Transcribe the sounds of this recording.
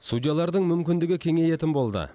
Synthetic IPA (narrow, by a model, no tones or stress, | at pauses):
sud̪ijɑlˠɑɾd̪əɴmʏmkʲɪnd̪ɪɡʲɪkʲʰe̞ŋe̞je̞t̪ɪnbo̞lˠd̪ə̰